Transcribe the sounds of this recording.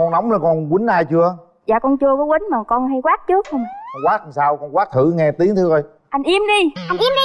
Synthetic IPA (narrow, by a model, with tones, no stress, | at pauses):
kɔ˧nna˨˦wŋ͡mlaː˨˩kɔ˧nkwi˨˦ŋ̟ʔaː˧jt͡ɕɨ˧ə | za̰ː˧˨kɔ˧nt͡ɕɨ˧əkɔ˨˦kwi˨˦ŋmaː˨˩kɔ˧nɦa˧jkwaː˦˥k̚t͡ɕɨ˦˥ək̚hə˧wŋ͡mkɔ˧nkwaː˦˥t̚saː˧wkɔ˧nkwaː˦˥k̚t̪ʰɨ̰˧˩ŋɛ˧t̪i˨˦əŋt̪ʰɨ˧əʔo˧˩j | ʔa˧jnʔi˨˦əmɗi˧ʔa˧jnʔi˨˦əmɗi˧